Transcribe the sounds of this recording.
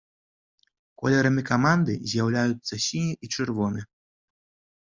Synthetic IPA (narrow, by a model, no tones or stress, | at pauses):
kɔ̰lʲɛɾɐmʲikamand̪ɨ̰zʲjawlʲajut̪sːɐsʲiniʔit͡ʂɨrvɔnɨ